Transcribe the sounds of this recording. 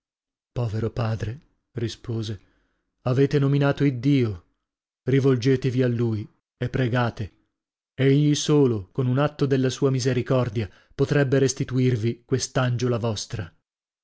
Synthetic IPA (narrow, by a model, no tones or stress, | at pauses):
pɔːveɾopaːd̪ɾe | rispoːze | aveːt̪enominaːt̪oid̪ːiːo | rivold͡ʒeːt̪evialːuːj | epːɾeɡaːt̪e | eʎːisoːlokonunat̪ːod̪elːasuːamizeɾikɔrd̪ja | pot̪ɾɛbːeɾest̪it̪uirvikwest̪and͡ʒolavɔst̪ɾa